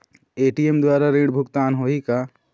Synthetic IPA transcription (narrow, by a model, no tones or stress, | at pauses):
eːʈijemd̪waːɾaɾiːɽbʱʊkt̪aːnɦoːika